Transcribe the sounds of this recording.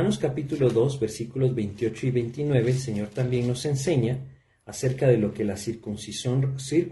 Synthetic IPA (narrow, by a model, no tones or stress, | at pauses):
noskapit̪ulo̞ðo̞zβe̞ɾsikulo̞zβe̞jnt̪jo̞t͡ʃo̞iβe̞jnt̪inweβe̞lseɲoɾt̪ambje̞ŋno̞se̞nse̞ɲaː | se̞ɾkaðe̞lo̞ke̞lasiɾkunsisiɾk